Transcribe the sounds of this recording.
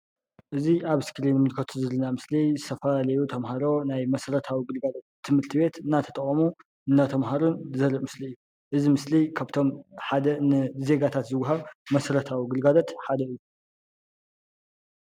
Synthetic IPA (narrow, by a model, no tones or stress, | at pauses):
ʔɨziʔaβskɾinmɨlkʰɐt̪ʰuzɨlɨnamɨslizɨt̪ʰɐfɐlalɐjut̪ʰɐmhaɾo̞najmɐsɾɐt̪ʰawiɡɨlɡalot̪̚ʰːɨmhɨɾt̪ʰiβe̞t̪ɨnːat̪ʰɐt̪ʼɐχʼmu | ɨnːat̪ʰɐmɦaɾunzɐɾɨʔmɨsliɨjːu | ʔɨzimɨslikʰaβt̪ʰo̞mħad̪ɐnɨze̞ɡat̪ʰat̪zɨwːaɦaβmɐsɾɐt̪ʰawiɡɨlɡalot̪ħad̪ɐɨjːu